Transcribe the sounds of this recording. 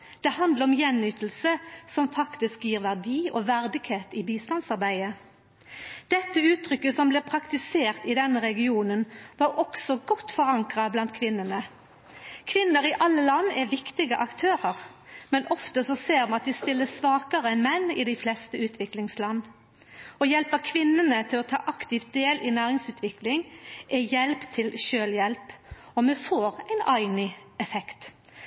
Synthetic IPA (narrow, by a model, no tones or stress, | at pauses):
d̪̥ɛhɑnd̪ləʁɔmjɛnːyːt̪l̩səsɔmfɑkt̪ɪskjiːʁʋæʁd̪iːɔ̰ːʋæʁd̪ɪɡheːt̪ɪbiːst̪ɑnsɑʁbæɪə | d̪̥ɛt̪ːəʉːt̪ʰʁʏkːəsɔmblɛːpʰʁɑkt̪ɪseːʁt̪ɪd̪ɛnːəʁɛɡɪuːnənʋɑɾʔɔksɔɡɔt̪ːfɔʁɑŋkʁɑblɑnt̪̚kʰʋɪnːənə | kʰʋɪnːəʁɪʔɑlːəlɑnːɛʋɪkt̪ɪɡəʔɑkt̪ʰøːʁəʁmɛnʔɔft̪əsɔseːɾmɑnɑt̪̚d̪ɪst̪ɪlːəsʋɑːkəʁəɛnmɛnːɪ̰d̪æɪflɛst̪əʉːt̪ʰʋɪklɪŋslɑnː | ɔjɛlpəkʰʋɪnːənət̪ʰɪlɔt̪ʰɑ̰ːʔɑkt̪ɪft̪̚d̪eːlʔɪnæːʁɪŋsʉːt̪ʰʋɪklɪŋʔɛjɛlpt̪ʰɪlʃøːljɛlpɔmɛfoːʁæɪnæɪnɪɛfɛkt̪